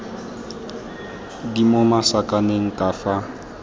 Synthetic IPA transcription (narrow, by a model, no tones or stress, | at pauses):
dimomasakʼaneŋ̩kʼafa